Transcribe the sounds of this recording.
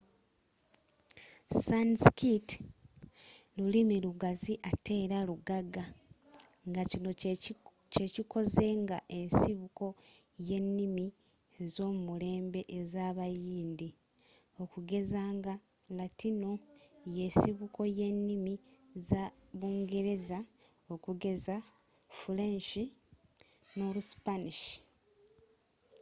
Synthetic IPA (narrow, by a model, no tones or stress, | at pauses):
sanskit | lulimiluɡaziʔatʰe̞ːɾaluɡaɡa | ŋɡacino | ce̞ciko̞ze̞ŋɡaʔe̞nsiβuko̞je̞nːimi | ezo̞ːmumule̞ːmbe̞ʔezaːβajiːndi | o̞kuɡe̞zaːŋɡa | latino̞je̞ːsiβuko̞je̞nːimizaβuːŋɡe̞ɾe̞za | o̞kuɡe̞za | fulenʃi | noɾusi̥paniʃi̥